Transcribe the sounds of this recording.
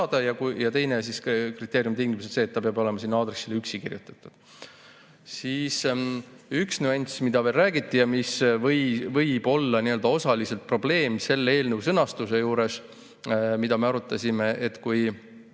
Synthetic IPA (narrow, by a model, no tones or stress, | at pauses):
d̪̥ɑjɑkujɑt̪e̞jnes̬iskrit̪ːˑeːɾijumt̪iŋɡimusese̞ːt̪ːɑpeɑbo̞le̞mɑsinːɑːd̪ɾesːilːyksikirjut̪ːˑɑ̥t̪ːˑud̪̥ | siːs | yksnuenʲsmid̪ɑve̞ːlræːɡ̥it̪ːijɑmisvɤjvɤjb̥o̞lːɑniø̞ld̪ɑo̞sɑlise̞lt̪̚pro̞ble̞ːmse̞lːee̞ːlnəwsɤnɑst̪use̞juːɾe̞s | mid̪ɑme̞ɑɾut̪ːˑɑsʲime̞ʔet̪ːkuj